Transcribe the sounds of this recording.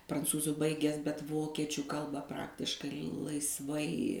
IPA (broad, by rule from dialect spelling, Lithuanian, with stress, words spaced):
prɐnˈt͡suːzʊ ˈbɐɪɡʲæːs bʲɛt ˈʋoːkʲiɛt͡ʃʲʊ ˈkɐlˠbɐ ˈprɑːktʲɪʃkɐɪ lˠɐɪsˈʋɐɪ